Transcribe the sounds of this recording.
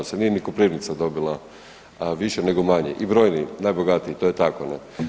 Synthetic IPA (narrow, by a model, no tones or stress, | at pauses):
osenijenikopɾiːʋnit̪sad̪o̞bilˠa | ʋiʃene̞ɡo̞maɲḛʔibɾo̞jninaːjbo̞ɡat̪iit̪ojet̪akonḛ